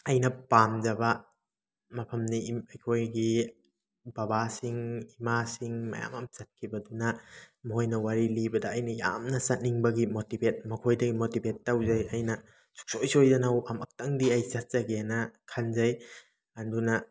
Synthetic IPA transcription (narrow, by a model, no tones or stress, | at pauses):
ɐjnɐpamzɐbɐ | mɐpʰɐmniɐjkʰojɡi | bɐbasiŋimasiŋmɐ̰ja̰mɐmt͡ʃɐt̚kʰibɐdunɐmojnɐwaɾilibɐdɐːjnɐja̰mnɐsɐt̚niŋbɐɡimotibet̚mɐkʰojdɐɡimotibʱetːawzɐjɐjnɐ | su̥k̚sojsojdɐnawamɐk̚tɐŋdiɐjsɐt̚zɐɡenɐkʰanzɐj | ɐndunɐ